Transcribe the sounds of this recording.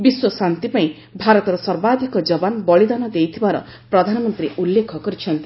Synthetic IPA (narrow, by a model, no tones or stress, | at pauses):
biswɔsant̪ipaĩ | bʱaɾɔt̪ɔɾɔsɔɾbad̪ʱikɔd͡ʒɔbanɔbɔɭid̪anɔd̪ejt̪ʰibaɾɔ̰ | pɾɔd̪ʱanɔmɔnt̪ɾiʔulːekʰɔkɔɾit͡ʃʰɔnt̪i